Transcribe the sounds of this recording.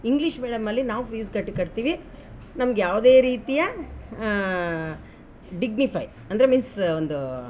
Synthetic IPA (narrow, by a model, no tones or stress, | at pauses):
iŋɡliʂmeːɽɐmːɐlːinaːʋpiːskɐʈːikɐɽt̪iːʋi | nɐmɐɡjaːʋd̪e̞ːɾiːt̪ijɐ | ɖiɡnipʰɐj | ɐnd̪ɐɾemiːnsond̪u